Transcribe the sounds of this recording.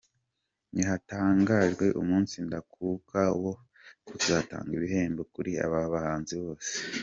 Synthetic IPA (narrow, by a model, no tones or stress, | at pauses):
niɦataːŋɡaʒɡwe̞ʔṵmuːnsindakʰuːkawo̞ | kuzata̰ːŋɡiβiɦe̞ːmbokuɾia̰βaβahaːnziβo̞ːse̥